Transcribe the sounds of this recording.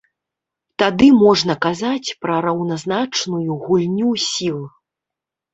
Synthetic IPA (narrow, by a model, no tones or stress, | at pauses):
t̪ad̪ɨmɔʐnɐkazat͡sʲpɾɐɾɐwnaznat͡ʂnujuɣulʲnʲusʲilˠ